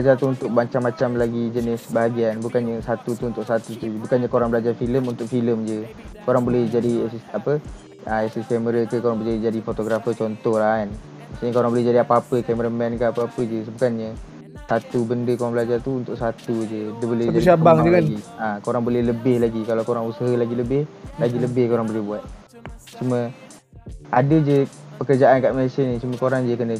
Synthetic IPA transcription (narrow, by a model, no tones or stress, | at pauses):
bad͡ʒart̪uunt̪ʊk̚baɲt͡ʃamːat͡ʃamlaɡid͡ʒənɪsbaɦaɡianbukanɲəsat̪ut̪uunt̪ʊʔsat̪ut̪ubukanɲəkoɾaŋbəlad͡ʒarfiləmunt̪ʊk̚filəmd͡ʒəkoɾaŋbolɛhd͡ʒadiɛsisapə | aɛsiskɛməɾəkəkoɾaŋbəd͡ʒadid͡ʒadifot̪oɡɾafət͡ʃɔnt̪ɔhlahan | asiɲəkoɾaŋbolɛhd͡ʒadiapapəkɛməɾəmɛnkaapəapəd͡ʒəsbukanɲə | sat̪ubəndəkoɾaŋbəlad͡ʒart̪uunt̪ʊʔsat̪ud͡ʒədəbolɛhd͡ʒaisabaŋd͡ʒəkaɡiãkoɾaŋbolɛhləbɪhlaɡikalawkoɾaŋusəɦəlaɡiləbɪhlaɡiləbɪhkoɾaŋbolɛhbuat̪̚ | t͡ʃumə | ʔadəd͡ʒəpəkərd͡ʒaʔankaʔmasənit͡ʃuməkoɾaŋd͡ʒəkənə